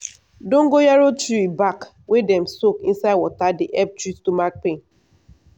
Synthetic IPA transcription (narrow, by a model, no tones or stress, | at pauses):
dõŋ̩ɡojaɾot͡ʃiɾibak | wedɛm̩sokĩnsaɪdwɔtadiʔɛp̚t͡ʃɹittumak̚pẽn